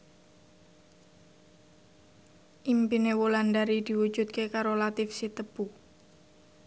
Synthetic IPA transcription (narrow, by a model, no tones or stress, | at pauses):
ʔimpinewoland̪aɾid̪̥i̤wu̥d͡ʒ̥ut̪̚kekaɾolat̪ɪfsit̪əb̥u